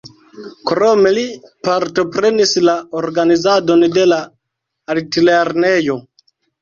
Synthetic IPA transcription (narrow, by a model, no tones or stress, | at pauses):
kɾome̞lipaɾto̞pɾe̞nislaoɾɡanizado̞nde̞laː | ltileɾne̞jo̞